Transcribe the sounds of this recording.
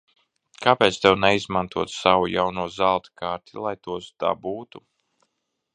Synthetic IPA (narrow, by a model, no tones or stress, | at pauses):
kʰaːpɛːt̪st̪ɛwnɛizmant̪uɔt̪sawujawnuɔzalˠt̪i̥kaːɾt̪ilˠajt̪uɔsd̪̥a̰buːt̪u